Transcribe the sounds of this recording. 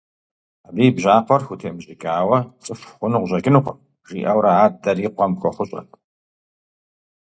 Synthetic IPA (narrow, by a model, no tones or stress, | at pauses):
abiːbʑaːqʷɔrxʷutʰeːmɕʼɪkʼaːwɐt͡sʼɨfχʷʊnɨʁʷʑɐɡʲɪnuqʷ | ʒ̥ḭːʔɐwɾɐaːdɐriːqʷɐmxʷɔχʷʊɕʼɐ̰tʰʼ